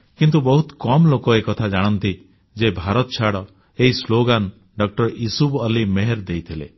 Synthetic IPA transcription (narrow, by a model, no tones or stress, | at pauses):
kint̪ubɔɦut̪kɔmlokoekɔt̪ʰad͡ʒaɽ̃ɔnt̪i | d͡ʒebʱaɾɔt̪ɔt͡ʃʰaɽɔ | eɦisloɡan | ɖɔk̚ʈɔɾisubɔlimeɦeɾd̪ejt̪ʰilḛ